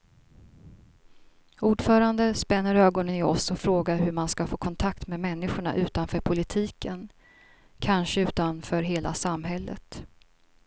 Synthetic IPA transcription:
uːɖfœːɾand̪əspɛnːəɾøːɡɔnənɪɔsɔfɾoːɡaɾɦɵɾmanskafoːkʰɔnt̪ʰakt̪meːmɛnːɪɧʊɳa̰ʔʉ̟ːt̪anfœːɾpʰʊlɪt̪ʰiːkʰən | kʰanʂəʉ̟ːt̪anfœːɾɦeːla̰samɦɛlːə̰t̪

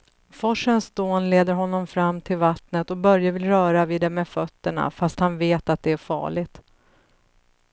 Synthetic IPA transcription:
fɔʂənsd̪oːnleːd̪əɾɦɔnːɔmfɾamːt̪ʰɪlvat̪nət̪ɔbœɾjavɪlɾœːɾaviːd̪ɛmɛfœt̪ːəɳa̰fast̪hanveːt̪at̪̚d̪ɛæɾfɑ̰ːɭɪɡt̪

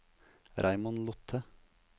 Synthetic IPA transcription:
ɾʔæɪmʊnlʊt̪ʰə

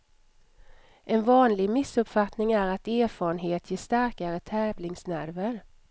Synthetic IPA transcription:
ʔɛnvɑːnlɪɡmɪsɵpfat̪nɪŋæɾat̪eːɾfɑːɾənɦeːt̪ʰjeːʂt̪aɾkaɾət̪ʰɛːvlɪŋsnæɾvəɾ

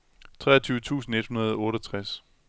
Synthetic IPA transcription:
t͡sʰʁɛ̰ːɐt͡sʰyːʊət͡sʰṵːsn̩e̝d̥hunɐð̞ˠɒ̽ɔ̽ːɾɒt͡sʰʁas

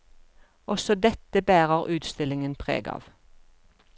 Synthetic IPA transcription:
ʔɔsɔd̪ɛt̪əbæːʁəʁʔʉːt̪st̪ɪlɪŋənpʰʁḛːɡɑ̰ːʋ

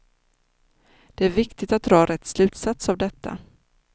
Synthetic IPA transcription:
d̪̥ɛæɾvɪkt̪ɪt̪at̪̚d̪ɾɑːɾʔɛt̪ːslʉ̟ːt̪sat̪savd̪ɛt̪ʰːa̰

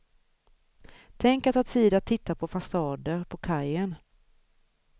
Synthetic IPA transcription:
t̪ʰɛŋkat̪ɑt̪siːd̪at̪ʰːɪt̪ːapʰɔfasɑːd̪əɾpʰɔkʰajən

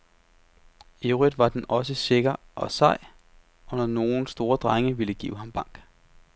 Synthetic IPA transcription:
e̝ʊʁid̥ʋɑ̈d̥enɒ̽s̬əse̝ɡ̥ɐʔɒ̽sɑ̈ɪ | ʔɒ̽nɒno̝ːn̩sd̥o̝ːɐd̥ʁaŋəʋiləɡ̥ḭːʊ̰ɦɑ̈mb̥ɑ̈ŋ̰ɡ̥

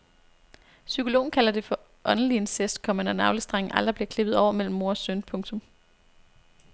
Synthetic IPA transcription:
sykʰo̝lo̝̰ːn̩kʰælɐd̥e̝fɒ̽ | ʔɒ̽nn̩lie̝nsesd̥kʰɒ̽mænɒnɑ̈ʊləsd̥ʁɑŋ̩ʔæld̥ʁɐb̥liɐkʰle̝b̥ð̞̩ˠɒʊ̰ɐmel̰m̩ːo̝ɐsønpʰɔ̽ŋt͡sʰɔ̽m

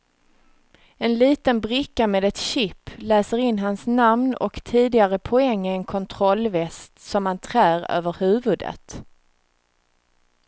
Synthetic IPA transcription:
ɛnliːt̪ənbɾɪkːameːd̪ɛt̪ɕɪpːlæːsəɾɪnːɦansnamnɔ̰kt̪ʰiːd̪ɪɡaɾəpʰɔɛŋːɪɛnkʰɔnt̪ʰɾɔlvɛst̪sɔmhant̪ʰɾæːɾø̰ːvəɾhʉ̟ːvɵd̪ə̰t̪

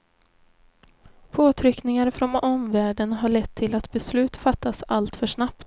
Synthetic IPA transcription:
pʰoːt̪ʰɾʏknɪŋaɾfɾɔnɔmvæːɖənɦaɭɛt̪ʰːɪlat̪bɛslʉ̟ːt̪fat̪ʰːasalt̪fœʂnapt̪

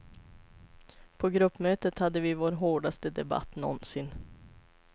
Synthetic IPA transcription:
pʰɔɡɾɵpːmøːt̪ət̪had̪ːəvɪvoːɾɦoːɖast̪əd̪ɛba̰t̪ːnɔ̰nsɪn

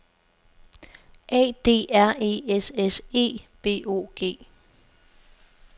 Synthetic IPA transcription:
ʔɛ̰ːd̥e̝̰ːæɐ̰e̝esese̝̰ːb̥e̝̰ːʔo̝̰ːɡ̥e̝̰ː

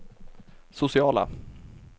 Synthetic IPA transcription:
sʊsɪɑːla̰

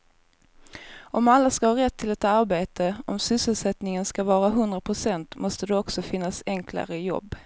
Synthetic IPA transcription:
ʔɔmalːaskahɑːɾɛt̪ʰːɪlɛt̪aɾbeːt̪ʰəɔmsʏsəlsɛt̪nɪŋənskavɑːɾaɦɵnd̪ɾapʰɾʊsɛnt̪mɔst̪əd̪ɛɔksɔfɪnːasɛŋkʰla̰ɾəjɔ̰bː

